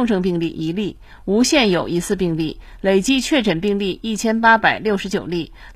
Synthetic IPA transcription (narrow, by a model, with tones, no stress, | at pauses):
ŋʈ͡ʂɤ˥˧ŋpi˥˧ŋli˥˩ʔi˧˥li˥˩ | u˧˥ɕjɛ˥˩njo˨˩ʊi˧˥t͡sʰɹ̩˥˧pi˥˧ŋli˥˩ | le˨˩ɪt͡ɕi˥t͡ɕʰɥɛ˥˩ʈ͡ʂə˨˩npi˥˧ŋli˥˧i˥˩t͡ɕʰjɛ˥npa˥pa˨˩ɪljo˥˩ʊʂɻ̩˧˥t͡ɕjo˨˩ʊli˥˩